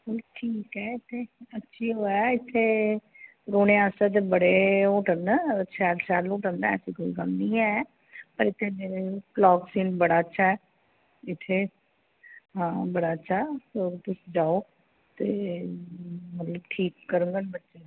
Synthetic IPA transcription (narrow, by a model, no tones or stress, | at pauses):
kʊlʈʰiːkɦɛːɪt̪ʰːeətːʃʰiːɦoːaɪt̪ʰːeː | ɾoːneaːsɛːt̪̬ebəɽeːoːʈəɾnəʃʰɛːlsɛːloːʈənd̪ɛ̰ːəsiːkoːḭːkəmnĩːɛː | pəɾɪt̪ʰːeːeklɔːksiːnbəɽaːətːʃʰaːɦɛː | ɪt̪ʰːeː | ɦãːbəɽaːətːʃʰaːsoːp̪ʊsd͡ʒaːoː | t̪eː | mət̪ləbʈʰiːkːəɾũŋɡanbətːʃeː